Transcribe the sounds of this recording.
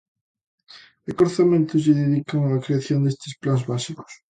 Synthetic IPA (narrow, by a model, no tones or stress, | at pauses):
ekoɾθamẽnt̪ʊsʝɪðeðikaŋaːkɾeaθjond̪est̪ɪ̥splanzβasikʊ̥s